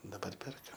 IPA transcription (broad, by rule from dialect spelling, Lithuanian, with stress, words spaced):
dɐˈbɐr ˈpʲɛrkɐm